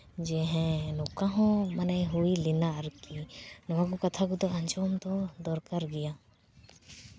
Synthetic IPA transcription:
d͡ʒɛɦɛ̃nɔkaɦɔ̃manajɦuilinaɾkinɔwãkɔkat̪ʰakud̪ɔaɲt͡ʃɔmt̪ɔd̪ɔɾkaɾɡɛja

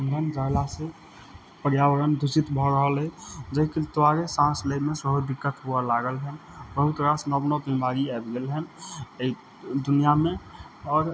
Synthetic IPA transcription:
ənd̪ʱənd͡ʒaːlase | pəɾjaːwəɾənd̪ʊsɪt̪bʱɔɾəɦəlɦɛd͡ʒəɦiket̪waɾesãːsləmẽsəɦud̪ɪkːət̪ɦualaːɡəlɦɛ̃nbəɦʊt̪ɾasnəbnobĩmʱaːɾiɛːbɡelɦɛni | d̪ʊnijamẽ | ɔːɾ

